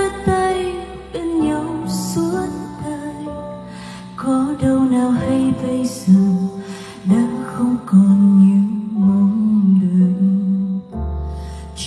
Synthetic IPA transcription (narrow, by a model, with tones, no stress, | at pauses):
ə˧t̪a˧j | ɓə˧ŋɲə˨˦wsu˨˦ənt̪a˧jj | kɔ˨˦ɗə˧wnaː˨˩wha˧jvə˧jzə˨˩ | ɗa̰ː˧˥ŋxə˧wŋ͡mkɔ˨˩nɲɨ˧˦ŋmɔ˨˧˦nɗɨ˨˩ək̚ | t͡ɕ